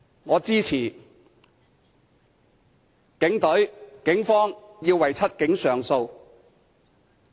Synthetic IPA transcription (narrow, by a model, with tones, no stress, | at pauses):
ŋɔː˨˧t͡siː˥t͡sʰiː˨˩ | kɪ˨˥ŋt̪ɵ˨˥ɥkɪ˨˥ŋfɔː˥ŋjiː˧wɐ˨˩jt͡sʰɐ˥t̚kɪ˨˥ŋsœː˨ŋso˧w